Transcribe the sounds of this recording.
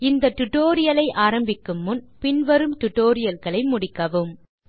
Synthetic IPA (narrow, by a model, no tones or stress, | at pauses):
ɪnd̪ɐt̪ʊʈːoːɾɪjɐlɐɪʔaːɾɐmbɪkːɯmːʊnpɪnʋɐɾɯmt̪ʊʈːoːɾɪjɐlɣɐɭɐɪmʊɽɪkːɐʋɯm